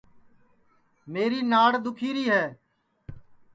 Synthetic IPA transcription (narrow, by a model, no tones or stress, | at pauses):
meːɾiːnaːɽd̪ʊkʰiːɾiːɦɛː